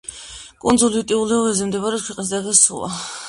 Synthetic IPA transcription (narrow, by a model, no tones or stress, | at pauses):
kʼɔnzulit̪ʼiulˠɛɔvɛzɛmd̪ɛbaɾɛt̪kʰwɛqʼnisd̪ad̪asṵlˠa̰